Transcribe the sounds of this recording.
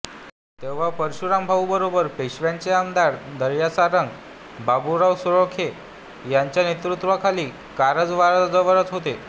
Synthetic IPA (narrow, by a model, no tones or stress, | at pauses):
t̪eʋ̤apəɾɕuɾambʱawbəɾobəɾpeɕʋjaɲt͡seamd̪aɽd̪əɾjasaɾəŋɡ | babuɾawsuɭokʰe | jaɲt͡ɕjanet̪ɾut̪ʋakʰaliː | kaɾəd͡zʋaɾd͡zəʋəɾət͡sɦot̪e